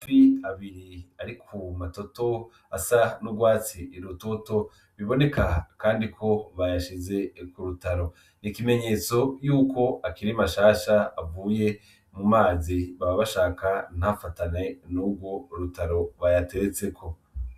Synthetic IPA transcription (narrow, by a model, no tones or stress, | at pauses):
fiaβiɾiaɾikʰumato̞to̞ | asanuɡwaːt͡siːɾutoto̞ | βiβo̞ne̞kakaːndikʰo̞βajaʃize̞kuɾutaɾo̞ | nikime̞ɲe̞ːt͡so̞juːko̞akiɾimaʃaːʃaavuːje̞ | mumaːziβaβaβaʃaːkan̥hafatanenuːb̚ɡwo̞ɾutaɾo̞βajate̞ɾet͡se̞kʰo̞